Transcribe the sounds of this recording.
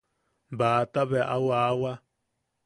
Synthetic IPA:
baːt̪aβeʔa̰wawa

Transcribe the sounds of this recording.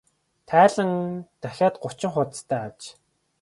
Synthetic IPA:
t̪ʰæːɮə̆ŋt̪æxʲaːt̪ɢʊt͡ɕɪ̆ŋχʊt̪t̪ʰæːat͡ɕ

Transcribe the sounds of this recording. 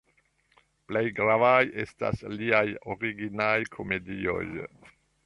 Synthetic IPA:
plejɡɾavaje̞sta̰sliajoɾiɡinajkʰo̞me̞dio̞̰j

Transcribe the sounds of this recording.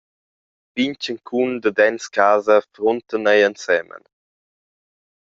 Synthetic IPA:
viɲt͡ʃəŋkʰund̪əd̪ɛnskaːzəfɾont̪ənɛjənsɛmə̰n

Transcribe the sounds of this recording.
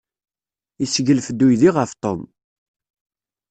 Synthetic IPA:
isəʝəlfəd̪ːujðiʁəft̪ˤom

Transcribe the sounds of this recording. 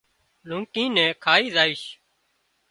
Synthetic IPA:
lũŋkĩːnɛ̃ːkʰaːiːzaːiːʃ

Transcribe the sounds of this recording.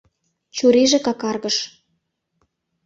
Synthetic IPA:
t͡ɕuɾeʒĕkɑkɑrɣə̆ʃ

